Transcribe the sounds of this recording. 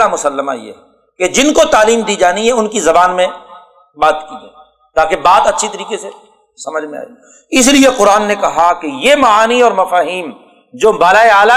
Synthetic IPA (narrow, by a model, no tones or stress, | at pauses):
amʊsəlːəma̰jḛ | ked͡ʒɪnkot̪aːliːmd̪iːd͡ʒaːniɦɛʊnkizɐbaːnmẽ | baːt̪kiɡa | t̪aːkebaːt̪ɐtːʃʰit̪ɐɾiːqese | sɐməd͡ʒʱmẽa̰ːḭ | ɪs̬lieqʊɾaːnːekɐɦakejemɐaːniɔːɾmɐfaːɦiːm | d͡ʒoːbaːlaːeaːla